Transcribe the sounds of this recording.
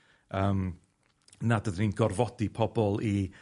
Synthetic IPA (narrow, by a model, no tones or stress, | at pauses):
əːm | nadəðninɡɔrvɔdipʰɔbɔlˠi